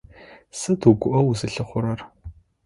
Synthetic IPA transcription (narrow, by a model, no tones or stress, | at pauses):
sɨtʰuɡʷʊʔɐwuzɨɬɨχʷʊɾɐr